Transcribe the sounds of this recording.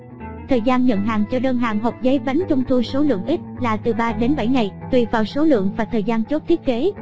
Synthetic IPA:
t̪ʰəː˨˩jzaː˧nɲə̰˧˨nɦaː˨˩ŋt͡ɕɔ˧ɗəː˧nɦaː˨˩ŋɦə˨˩k͡p̚zə˨˦jɓa˨˦jŋ̟t͡ɕə˧wŋ͡mt̪ʰu˧so˨˦lɨ̰˧˨əŋʔi˦˥t̚laː˨˩t̪ɨ˨˩ɓaː˧ɗe˨˦nɓa˧˩jŋa˨˩jt̪wi˨˩vaː˨˩wso˨˦lɨ̰˧˨əŋvaː˨˩t̪ʰəː˨˩jzaː˧nt͡ɕo˦˥t̚t̪ʰi˦˥ət̚ke˨˦

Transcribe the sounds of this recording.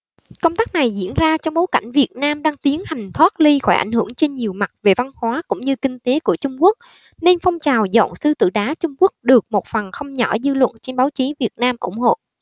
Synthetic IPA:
kə˧wŋ͡mt̪aː˦˥k̚na˨˩jzḭ˧˩˥ənzaː˧t͡ɕɔ˧wŋ͡mɓo˨˦jka̰˧˩jŋ̟vi˨˩ət̚naː˧mɗaː˧ŋt̪i˨˦ənha˨˩jŋ̟t̪ʰwaː˦˥t̚li˧xɔ˧˩jʔa̰˧˩jŋ̟hɨ˧˩əŋt͡ɕe˧nɲi˨˩əwma˨˩t̚ve˨˩va˧nhwaː˨˦kʊ̰˧˥ŋ͡mɲɨ˧kï˧ŋ̟t̪e˨˦ku˧˩ət͡ɕʊ˧ŋ͡mku˦˥ək̚ | ne˧nfɔ˧wŋ͡mt͡ɕaː˨˩wzɔ̰˧˨nsɨ˧t̪ɨ̰˧˨ɗaː˨˦t͡ɕʊ˧ŋ͡mku˦˥ək̚ɗɨ˨˩ək̚mo˨˩t̚fə˨˩nxə˧wŋ͡mɲɔ˧˩zɨ˧lwə̰˧˨nt͡ɕe˧nɓaː˨˦wt͡ɕi˨˦vi˨˩ət̚naː˧mʔʊ̰˧˩ŋ͡mho̰˧˨

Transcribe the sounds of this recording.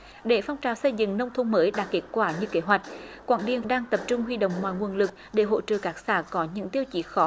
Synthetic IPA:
ɗe˧˩fa˧wŋ͡mt͡ɕaː˨˩wsə˧jzɨ̰˧˨ŋnə˧wŋ͡mt̪ʰə˧wŋ͡mməː˨˦jɗa̰ː˨˥kːe˨˦˥t̚kwaː˧˩ɲɨ˧ke˨˦ɦwa˨˩jk̟̚kwa̰ː˧˩nɗḭ˨˧˩ənɗaː˧ŋt̪ə˨˩p̚t͡ɕʊ˧ŋ͡mɦwi˧ɗo̰˧˨wŋ͡mmwa̰ː˧˨jŋu˨˧˩ənlɨ˨˩k̚ɗe˧˩ɦo̰˧˨t͡ɕə̰ː˧˨kaː˦˥k̚saː˧˩kɔ˨˦ɲɨ̰˧˥ŋt̪i˧əwt͡ɕi˨˦xɔ˨˦

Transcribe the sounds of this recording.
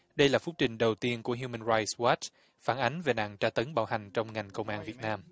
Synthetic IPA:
ɗə˧jlaː˨˩fʊ˦˥k͡p̚t͡ɕï˨˩ŋ̟ɗə˨˩wt̪i˧ənku˧˩əɦju˧mə˧nɹa˧jtswa˦˥t͡ɕ | faː˧˩nʔa˨˦jŋ̟ve˨˩na̰ː˧˨ŋt͡ɕaː˧˩t̪ə˨˦ŋɓaː˧˩wha˨˩jŋ̟t͡ɕɔ˧wŋ͡mŋa˨˩jŋ̟kə˧wŋ͡mʔaː˧nvi˨˩ət̚naː˧m

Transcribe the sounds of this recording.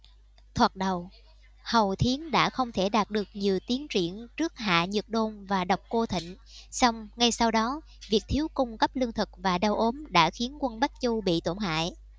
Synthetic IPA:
t̪ʰwaː˨˩k̚ɗə˨˩w | hə˨˩wt̪ʰi˨˦ənɗa̰ː˧˥xə˧wŋ͡mt̪ʰe˧˩ɗaː˨˩t̚ɗɨ˨˩ək̚ɲi˨˩əwt̪i˨˦ənt͡ɕwḭ˧˩ənt͡ɕɨ˦˥ək̚ha̰ː˧˨ɲɨ˨˩t̚ɗo˧nvaː˨˩ɗə˨˩wk͡p̚ko˧t̪ʰḭ˧˨ŋ̟ | sa˧wŋ͡mŋa˧jsa˧wɗɔ˨˦ | vi˨˩ək̚t̪ʰi˨˦əwkʊ˧ŋ͡mkə˦˥p̚lɨ˧əŋt̪ʰɨ˨˩k̚vaː˨˩ɗə˧wʔo˨˦mɗa̰ː˧˥xi˨˦ənkwə˧nɓa˦˥k̚t͡ɕu˧ɓḭ˧˨t̪o˧˩ŋha̰ː˧˨j

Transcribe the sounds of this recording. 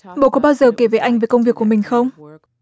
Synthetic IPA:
ɓo̰˧˨kɔ˨˦ɓaː˧wzəː˨˩ke˧˩ve˨˩ʔa˧jŋ̟ve˨˩kə˧wŋ͡mvi˨˩əkːəmï˨˩ŋ̟xə˧wŋ͡m

